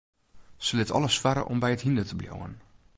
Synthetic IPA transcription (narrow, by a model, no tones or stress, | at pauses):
səlɪtɔ̰ləsfaɾə̰ʔɔ̰mbɛjəthindətəbljo̰wən